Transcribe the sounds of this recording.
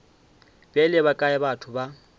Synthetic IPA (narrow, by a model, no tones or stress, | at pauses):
bʼɛlɛβakʼaɪbatʰʊba